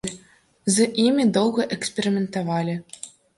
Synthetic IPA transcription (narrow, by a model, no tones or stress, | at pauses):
zɐʔimʲid̪ɔwɣɐʔɛksʲpʲeɾʲɪmʲɛnt̪avalʲi